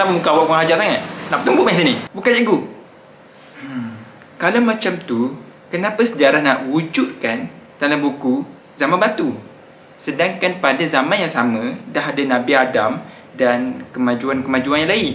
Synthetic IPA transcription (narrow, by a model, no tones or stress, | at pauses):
laməmukawaʔpuɦad͡ʒaʔsaŋat̪̚naʔpət̪umbuʔaãs̬inibukanaɡu | kalawmãt͡ʃamt̪u | kənãpasəd͡ʒaɾahnaʔwud͡ʒut̪̚kand̥alambuku | zamãnbat̪u | sədaŋkanpadazamãnjaŋsamə̃daɦadanãbiadam | dankəmãd͡ʒuankəmãd͡ʒuanjãŋlai